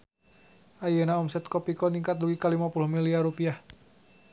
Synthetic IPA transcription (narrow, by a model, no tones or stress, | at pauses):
ʔajənaɔmsɛt̪̚kɔpikɔniŋkat̪̚luɡikalimapulʊhmiliaɾupiah